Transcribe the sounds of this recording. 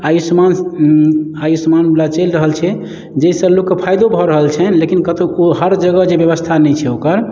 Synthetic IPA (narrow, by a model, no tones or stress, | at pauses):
ajusman | ajusəmanblat͡ʃelɾəɦəlt͡ʃʰɛ | d͡ʒeisəblokːepʰajd̪obʱɔɾəɦəlt͡ʃʰɛlekinkət̪ooɦəɾd͡ʒəɡəd͡ʒebjəbəst̪ʰanɛt͡ʃʰɛokəɾ